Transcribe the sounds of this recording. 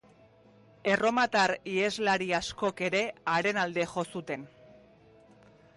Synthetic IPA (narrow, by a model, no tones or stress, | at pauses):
e̞ro̞mat̪aɾie̞zlaɾiasko̞ke̞ɾe̞aɾe̞nald̪e̞ʝo̞sut̪e̞n